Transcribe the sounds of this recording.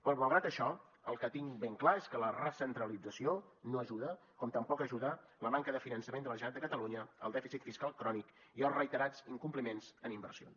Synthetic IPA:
pɾɔməlˠɣɾat̪əʃɔ | əlˠkət̪iŋbeŋklaeskələrəsənt̪ɾəlid͡zəsionoəʒuðəkɔmt̪əmpɔkəʒuðələmaŋkəðəfinənsəmend̪ələʒat̪d̪əkət̪əluɲəəlˠd̪ɛfisit̪fiskalˠkɾɔnikiəlˠrəit̪əɾad͡ziŋkumplimenzənimbə̰ɾsio̰n

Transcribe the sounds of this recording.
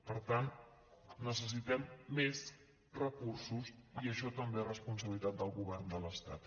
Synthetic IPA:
pəɾt̪an | nəs̬əs̬it̪ɛmːez | rəkursusiəʃɔt̪əmberəspunsəβilit̪at̪̚d̪əlˠɣuβɛrnd̪ələst̪a̰t̪

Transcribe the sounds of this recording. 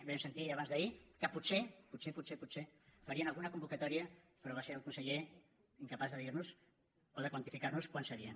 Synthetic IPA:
βɛmsent̪iaβ̞anzðəikəpusepusepusepusefɐɾianalˠɣunɐkumbukat̪ɔɾiɐ | pəɾoβaseɾəlˠkunsəʎe | iŋkapazðəðiɾnus | oðəkwant̪ifikarnuskwansəɾiən

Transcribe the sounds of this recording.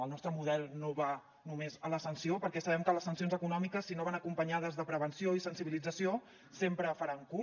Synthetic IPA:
əlˠnɔst̪ɾəmuðɛlˠnoβa | numezələsənsiopəɾkɛsəβɛmkələsːənsionzəkunɔmikəsːinoβanəkumpəɲað̞əzðəpɾəβənsioisənsiβilid͡zəsio | sempɾəfəɾaŋku

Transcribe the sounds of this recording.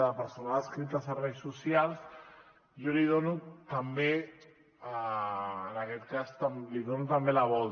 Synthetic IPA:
apəɾsonaəskɾit̪asarejsːusjalˠs | joliðonut̪ambe | aənakɛt̪kast̪amliðonut̪ambelaβɔl

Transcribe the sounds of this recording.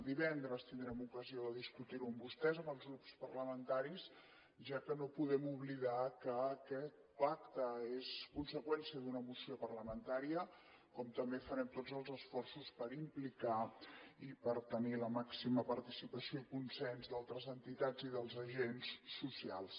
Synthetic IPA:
d̪iβɛnd̪ɾəst̪ind̪ɾɛmukəzioðəðiskut̪iɾuəmbust̪ɛzəmbəlˠzɣɾupspərləmənt̪aɾis | ʒakənopuðɛmuβliðakəːkɛt̪̚ | pak̚t̪əeskunsəkwɛnsiəðunəmusiopərləmənt̪aɾiə | kɔmt̪əmbefəɾɛmt̪od͡zəlˠzəsfɔrsuspəɾimplikaipəɾt̪əniləmaksiməpəɾt̪isipəsioikunsɛnzd̪alˠt̪ɾəzənt̪it̪ad͡ziðəlˠzəʒensːusialˠs

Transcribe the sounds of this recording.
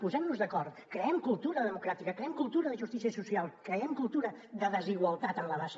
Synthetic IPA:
puzɛmnuzðɐkɔɾt̪kɾeɛmkulˠt̪uɾɐðəmukɾat̪ikɐkɾeɛmkulˠt̪uɾɐðəʒust̪isiɐsusialˠkɾeɛmkulˠt̪uɾɐ | ðəðəziɣwɐlˠt̪at̪ənlɐβas

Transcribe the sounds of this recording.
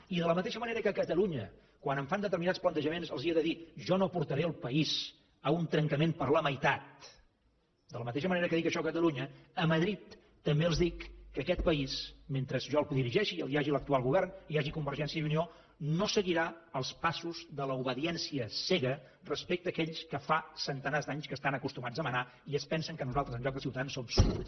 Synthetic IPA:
iðələmət̪eʃəməneɾəkəkət̪əluɲə | kwanəɱfand̪ət̪əɾminatt͡ssplənt̪əʒəmenzəlˠziəðəðiʒɔnopuɾt̪əɾeəlˠpəiz | əunt̪ɾəŋkəmenpəɾləməjt̪at̪̚ | d̪ələmət̪eʃ̬əməneɾəkəðikəʃɔkət̪əluɲəəməðɾit̪ː | əmbeəlˠzðikːəkɛt̪̚pəisment̪ɾəzʒɔlˠðiɾiʒɛʃiəlˠiaʒilək̚t̪ualˠɣuβɛrniaʒikumbəɾʒɛnsiəðunio | nosəɣiɾaəlˠspasuzðələuβəðiɛnsiəsɛɣə | rəspek̚t̪əːkɛʎskəfasənt̪ənazd̪aɲskəst̪anəkust̪umad͡zðəməna | iəspɛnsəŋkənuzalˠt̪ɾəzə̃ʎɔk̚d̪əsiwt̪əðansːomsuəs

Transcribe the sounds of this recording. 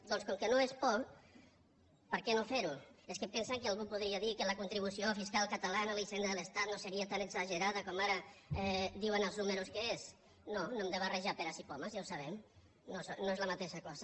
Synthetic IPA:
d̪ɔnskɔŋkenoespɔ | pəɾkɛnofeɾueskepɛnsaŋkealˠɣupuð̞ɾiaðikələkunt̪ɾiβ̞usiofiskalˠkət̪alanalisend̪əðəlest̪at̪noseɾiat̪anəɡzaʒəɾaðəkɔmaɾəɛd̪iwənəlˠznuməɾuskees | nonoemd̪əβərəʒapeɾasipɔmazjawsaβɛm | nosnoezləmat̪eʃakɔzə

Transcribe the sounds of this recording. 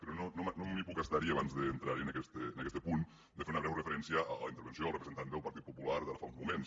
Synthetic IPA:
pɾɔnonomnomipukəst̪aɾiəaβanzðəːnt̪ɾaɾiənəkɛst̪əːnɐkɛst̪əpun | d̪əfeɾunəβɾɛwrəfəɾɛnsiəaləint̪ɾβənsioəlˠrəpɾzent̪and̪əlˠpəɾt̪it̪pupulaɾðəɾfaunzmumens

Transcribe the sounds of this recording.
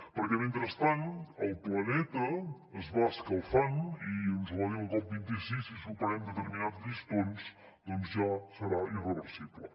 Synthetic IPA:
pəɾkɛment̪ɾəst̪anəlˠplənɛt̪ə | əzβaəskəlˠfaniənzəβaðiəlˠkɔp̚bint̪isisisupəɾɛmd̪ət̪əɾminad̪ist̪ons | d̪ɔnzʒasəɾairəβəɾsiβlə̰

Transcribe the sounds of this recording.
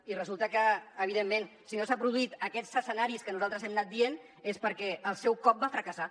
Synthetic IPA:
irəzulˠt̪əkəːβiðemːensiɲosapɾuðuit̪əkɛt͡səsənaɾiskənuzalˠt̪ɾəzɛmnat̪̚d̪ien | espəɾkɛəlˠsɛwkɔp̚bafɾəkəsa

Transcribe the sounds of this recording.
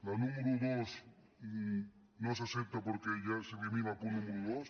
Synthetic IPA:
lanũmeɾuðos | i | nos̬asep̚t̪apoɾkeʝaseβeminapunũmeɾuðos

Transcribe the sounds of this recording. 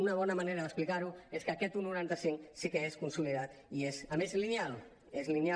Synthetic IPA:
unaβɔnamaneɾaðəksplikaɾueskakɛt̪unuɾant̪asiŋsikeeskunsuliðat̪iesamezlinjal | ezlinja

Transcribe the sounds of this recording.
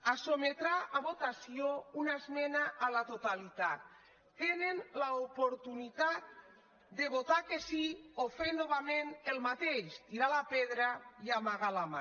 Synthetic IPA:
asomet̪ɾaʔaβot̪asiounaezmɛnaʔːlat̪ot̪alit̪at̪ː | enenlaopoɾt̪unit̪at̪ | d̪eβot̪akesiofend̪oβamenelmat̪eʃt̪iɾalapeðɾajamaɣalama̰

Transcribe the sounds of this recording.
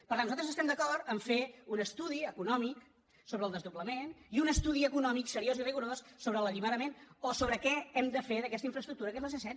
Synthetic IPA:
pəɾt̪anuzat̪əzəst̪ɛmd̪əkɔɾt̪əɱfeunəst̪uðiəkunɔmik | soβɾəlˠd̪əzðubləmeniunəst̪uðiəkunɔmiksəɾioziriɣuɾosːoβɾələʎimaðəmenosoβɾəkɛɛmd̪əfeðəkɛst̪əiɱfɾəst̪ɾukt̪uɾəkɛzləsesɛt̪

